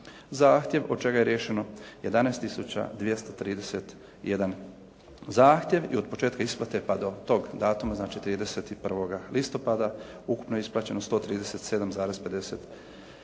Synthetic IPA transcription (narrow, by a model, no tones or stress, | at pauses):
zaːxt̪je̞ʋod̪̚t͡ʃe̞ɡaje̞ɾjeʃe̞noje̞d̪anaest̪ːisut͡ɕa̰d̪ʋje̞st̪ot̪ɾiːd̪e̞set̪ | ije̞d̪an | zaːxt̪je̞ʋḭo̞d̪̚po̞t͡ʃe̞ːt̪kaisplˠat̪epad̪o̞t̪o̞ɡd̪aːt̪umaznaːt͡ʃit̪ɾiːd̪e̞set̪ipr̩ʋo̞ɡalʔist̪o̞pad̪a | uku̥pnojeisplˠaːt͡ɕe̞nost̪o̞t̪ɾiːd̪ese̞t̪se̞d̪amzaːɾe̞zpe̞d̪e̞set̪